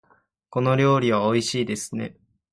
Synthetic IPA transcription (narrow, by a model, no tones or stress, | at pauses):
ko̞no̞ɾʲo̞ːɾʲiβ̞ao̞iɕiːd̪e̞sɨ̥ne̞̰